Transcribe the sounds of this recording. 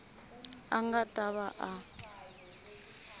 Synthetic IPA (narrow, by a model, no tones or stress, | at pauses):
aŋɡatʼaβaʔa